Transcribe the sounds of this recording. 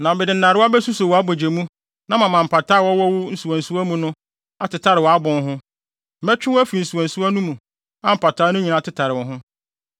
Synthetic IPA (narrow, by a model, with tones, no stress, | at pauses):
nã˨bɛ˨dɪ˨n̩˦nã˨ɾɪ˦a˦bɛ˦su˦so˨wɔ˨a˦bo˨d͡ʑe˨mũ˦ | nã˦mã˨mã˨m̩˨pʰa˨tʰa˦wɔ˦wɔ˦wʊ˦n̩˦su˨ã˨n̩˨su˦æ˦mũ˦nʊ̃˦ | a˨tɪ˨tʰa˦ɾɪ˨wɔ˨a˦bʊ̃˨n˦ɦʊ̃˦ | mɛ˦t͡ɕᶣɪ̃˦wæ˦fi˨n̩˨su˨a˨n̩˨su˦a˦nũ˦mũ˨ | ã˦m̩˨pa˨tʰaː˦nʊ̃˦ɲĩ˨nã˨˦˨tʰɪ˦tʰa˨ɾɪ˨ɔ̃˨ɦʊ̃˦